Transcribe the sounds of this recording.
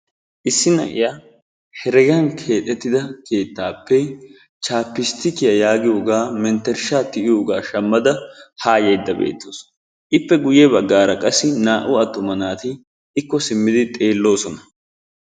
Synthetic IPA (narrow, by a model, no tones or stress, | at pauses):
ʔɪsːɪnɐ̰ʔɪ̰jaː | hɛɾɛɡɐnkʰe̞ːt̪ʼːɛt̪ːɪd̪ɐkʰe̞ːt̪ːaːpːɛ | t͡ʃaːpːɪst̪ɪkɪjɐjaːɡɪjo̞ːɡaːmɛnt̪ːɛɾʃaːt̪ːɪɪjo̞ːɡaːʃɐmːɐd̪ɐhaːjɛjd̪ːɐbḛːt̪ːoːs | ʔɪpːɛɡʊjebɐɡːaːɾɐkʼɐsːɪnaːʔʊɐt̪ːʊmɐnaːt̪ɪ | ɪkːɔsɪmːɪd̪ɪt̪ʼe̞ːlːo̞ːsɔnɐ